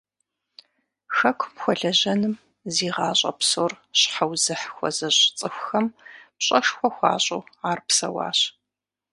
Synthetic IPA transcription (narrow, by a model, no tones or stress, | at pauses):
xɐkʷʰmxʷɔɮɐʑɐnɨm | ziːʁɑːɕʼɐ̰psoːr | ɕħawzɨħxʷɔ̰zɐɕʼt͡sʼɨxʷʊxɐmpɕʼɐʂxʷɔxʷɑ̰ːɕʼoːaːrpsɐwɑ̰ːɕ